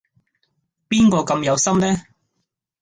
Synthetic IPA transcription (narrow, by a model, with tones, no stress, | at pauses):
piː˥nkɔː˧kɐ˧mjɐ˨˧wsɐ˥mnɛː˥